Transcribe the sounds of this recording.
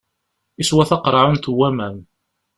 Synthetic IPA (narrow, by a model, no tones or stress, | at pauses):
iswæθɑqɾˤɑʕunt̪uwːæmæm